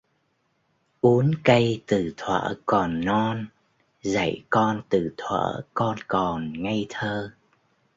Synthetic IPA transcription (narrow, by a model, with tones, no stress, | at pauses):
ʔu˨˦ənkə˧jt̪ɨ˨˩t̪ʰwa̰ː˧˥kɔ˨˩nːɔ˧n | za̰˧˩jkɔ˧nt̪ɨ˧˨˩t̪ʰwə̰ː˧˥kɔ˧nkɔ˨˩nŋa˧jt̪ʰəː˧